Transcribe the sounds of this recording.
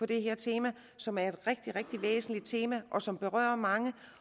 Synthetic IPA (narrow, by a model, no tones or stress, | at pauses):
ɒ̽d̥e̝ɦeɐt͡sʰe̝ːmæ | sɒ̽mæɐe̝d̥ʁeɡ̥̚d̥iʁeɡ̥̚d̥iʋḛːsn̩lid̥̚t͡sʰe̝ːmæʔɒ̽sɒ̽mb̥e̝ʁɶ̰ːɐmɑ̈ŋə